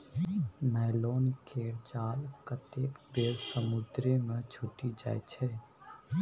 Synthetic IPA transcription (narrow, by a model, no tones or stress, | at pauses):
najloːnikeːɾd͡ʒaːlkət̪eːkbeːɾsəmʊd̪ɾemẽt͡ʃʰʊʈid͡ʒa̰ːjt͡ʃʰɛː